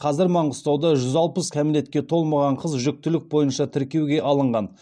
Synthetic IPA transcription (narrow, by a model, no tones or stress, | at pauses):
qʰɑzɪɾmɑɴʁʊst̪ɑwd̪ɑʒʏzɑlˠpəskʲʰæmɪle̞t̪kʲe̞t̪ʰo̞lˠmɑʁɑɴqʰəzʒʏk̚t̪ɪlɪk̚bo̞jənʃɑt̪ʰɪɾkʲe̞wɡʲe̞ʔɑlˠəɴʁɑn